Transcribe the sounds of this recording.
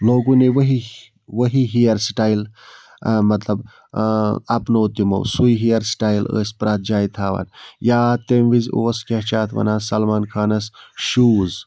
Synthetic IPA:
loːɡuneʋɐɦi | ʋɐɦiɦijɐɾsʈaːjl | mɐt̪lɐb | ɐpnoːt̪imɐ̰wsujɦijɐɾsʈaːilə̰ːsʲpɾaːt̪̚d͡ʒaːjt̪ʰaːʋɐ̰njaːt̪emʋizʲo̰ːskʲɐɦt͡ʃaːt̪ʰʋɐ̰naːsɐlmaːnkʰaːnɐsʃuːz

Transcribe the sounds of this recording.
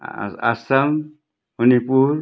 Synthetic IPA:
a̰sam | unipuɾ

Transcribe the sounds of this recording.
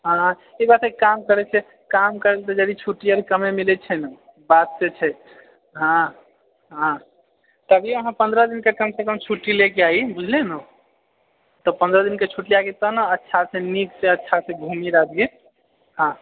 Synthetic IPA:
ɦã | ibat̪sekamkəɾɛt͡ʃʰɛ | kamkəɾelt̪ɔd͡ʒəd̪it͡ʃʰuʈiəɾkəmemilɛt͡ʃʰɛnə | bad̪set͡ʃʰɛ | ɦã | ɦã | t̪ɔəbiəɦãpənd̪ʱɾəd̪inkekəmsekəmt͡ʃʰuʈilekeaibud͡ʒʱleno | t̪ɔpə̃nd̪ɾəd̪inket͡ʃʰuʈliaket̪ɔnəətːʃʰasẽnikseətːʃʰasẽɡʱumiɾad̪ɡi | ɦã

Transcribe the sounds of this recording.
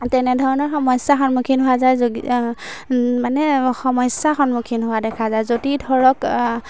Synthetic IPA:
tɛnɛdʱɔɹɔnɔɹxɔmɔjsaxɔnmukʰinɦʊazajzoɡi | manɛxɔmɔjsaxɔnmukʰinɦʊadɛkʰazajzodidʱɔɹɔk

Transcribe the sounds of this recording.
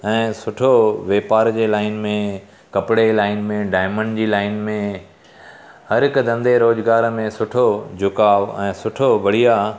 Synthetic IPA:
ɛ̃ːsʊʈʰoʋeːpaːɾd͡ʑeːlaːɪnmẽ | kɐpɽelaːɪnmẽɖaːɪməɳɖd͡ʑiːlaːɪnmẽ | hɐɾɦɪkd̪ɐ̃nd̪ʱeɾoːd͡ʑɡaːɾmẽsʊʈʰod͡ʑʱʊkaːʋɛ̃ːsʊʈʰobɐɽ̤ija

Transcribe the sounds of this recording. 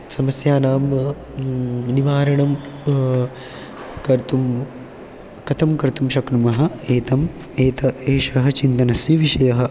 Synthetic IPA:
sɐmɐsjaːnaːm | niʋaːɾɐɳɐm | kɐɾt̪um | kɐt̪ʰɐmkɐɾt̪umʃɐknumɐɦɐ̆eːt̪ɐm | eːt̪ɐeːʃɐɦɐ̆t͡ʃint̪ɐnɐsiʋiʂɐjɐɦɐ̆

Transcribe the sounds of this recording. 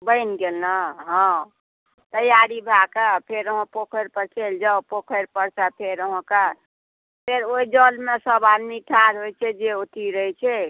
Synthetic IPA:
bəɪnɡelnaɦɔ̃ | t̪əjaɾibʱakapʰeɾəɦõpokʰəɾpəɾkʰeld͡ʒaopokʰəɾpəɾt͡ʃapʰeɾəɦɔ̃ka | pʰeɾoid͡ʒəlmesəbad̪miʈʰaɾɦojt͡ʃʰɛd͡ʒeot̪iɾəɦɛt͡ʃʰɛ

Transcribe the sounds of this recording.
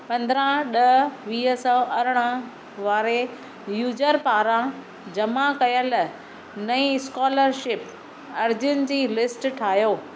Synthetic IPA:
pɐ̃nd̪ɾãɗɐʋiːɦəsɔʔɐɾɽ̃ə̃ | ʋaːɾe | juːd͡ʑəɾpaːɾã | d͡ʑɐmakɐjəl | nɐĩskɔːləɾʃɪp | ɐɾd͡ʑʊnɪ̆d͡ʑiːlɪsʈʈʰaːɦjoː

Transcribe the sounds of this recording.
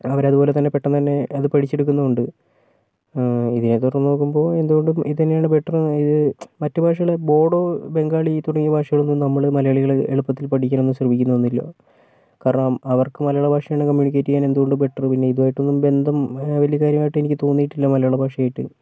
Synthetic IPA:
ɐʋɐɾɐðubo̞ːle̞t̪ɐnːe̞peʈːɐnt̪ɐnːe̞ɐðɨpɐʈʰit͡ɕːeɽuk̬ːunːɐuɳɖɨ | iðinet̪urɐnnːno̞ːkːumbo̞ːe̞nd̪uɣo̞ɳɖɨmiðɨt̪ɐnːejaːɳɨbeʈːɐriðɨmɐtːɨbʱaːʂɐɣɐɭebo̞ːɽo̞ːbe̞ŋɡaːɭit̪uɽɐŋːijɐbʱaːʂɐɣɐɭonːumnɐmːɐɭmɐlɐjɐɭiɣɐɭḛɭupːɐt̪ːilpɐʈikʲːanme̞nːɨmɕrɐʋikʲːunːɐʋonːilːo̞̰ː | kaːɾɐɳɐmɐʋɐrkɨmɐlɐjuɭɐbʱaːʂɐjaːɳɨkɐmjuːɳikʲːeːtːikʲːaːne̞nd̪uɣo̞ɳɖɨbe̞ʈːɐrpinːe̞iðuʋaːjiʈːonːumbe̞nd̪ʱɐmʋɐlijɐkaːɾjɐmaːjiʈːe̞nikʲːɨt̪oːnːijiʈːilːɐmɐlɐjuɭɐbʱaːkʂɐjaːjiʈːɨ̰

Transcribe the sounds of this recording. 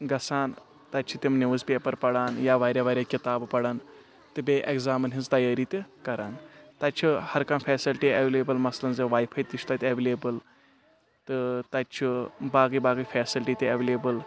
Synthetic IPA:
ɡɐsaːn | t̪ɐt͡ʃʰit̪imneʋɨzpʲeːpɐɾpɐɽaːnjaːʋaːɾʲjaːʋaːɾʲjaːkʲit̪aːbpɐɽaːn | t̪ɨbʲeːʔeɡzaːmɐnɦizt̪ɐjaːɾiːt̪ʲikɐɾaːnt̪ɐt͡ʃʰihɐɾkɐmfʰɛːsilʈiɐʋeːleːbɐlmɐslɐnzɐʋaːjpʰɐjt̪ːiʃʰt̪aːt̪ʲɐʋeleːbɨl | t̪ɨt̪ɐtt͡ʃʰibaːɡibaːɡifʰɛːsilʈiːt̪ʲiɐʋeleːbɨl

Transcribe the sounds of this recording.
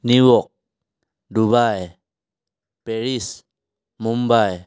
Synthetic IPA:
niwɔk̚ | duβaj | peɾis | mumbaj

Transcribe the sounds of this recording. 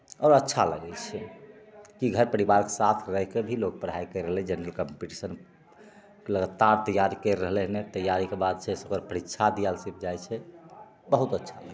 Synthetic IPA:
ɔːɾətːʃʰa̰ləɡɛt͡ʃʰɛ | kiɡʱəɾpəɾibaɾkesat̪ʰɾəɦkebʱilok̚pəɾɦaikəɾəɦlɛd͡ʒenəɾəlkəmpiʈisən | keləɡət̪ːaɾt̪əjːaɾikəɾːəɦlɛnet̪əjaɾikebad̪̚t͡ʃʰɛsokəɾpəɾit̪ːʃʰad̪ijalsip̚ʰd͡ʒajt͡ʃʰɛ | bəɦut̪ətːʃʰa̰ləɡɛ

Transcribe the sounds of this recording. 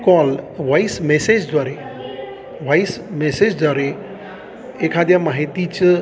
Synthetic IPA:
kɔlʋaismesed͡ʒd̪waɾe | ʋajsmesed͡ʒd̪aɾe | ekʰad̪ʱjamaɦit̪it͡ʃ

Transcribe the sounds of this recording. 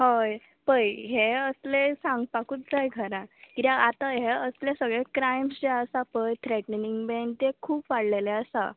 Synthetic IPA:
ɦoj | pəjɦeəslesãŋɡpakuːt̪̚d͡zajɡʱəɾãkit̪aat̪aɦeəslesəɡɭekɾajmsd͡ʑeəsapəjt̪ʰɾeʈnniŋɡbent̪ekʰuːpʋaɽleleəsa̰

